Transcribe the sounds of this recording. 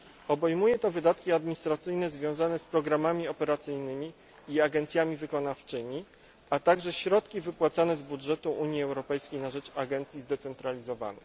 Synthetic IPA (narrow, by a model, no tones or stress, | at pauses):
ɔbɛjmujɛt̪ɔvɘd̪at̪kʲiad̪mʲiɲist̪ɾat̪sɘjnɛzvʲjɔ̃w̃zanɛspɾɔɡɾamamʲiɔpɛɾat̪sɘjnɘmʲi | iaɡɛnt̪sʲjamʲivɘkɔnaft͡ʂɘmʲi | at̪aɡʐɛɕɾɔt̪kʲivɘpwat̪sanɛzbudʐɛt̪uʔuɲjiɛwɾɔpɛjskʲejnaʐɛt͡ʂaɡɛnt̪sʲjizd̪ɛt̪sɛnt̪ɾalʲizɔva̰nɘ̰x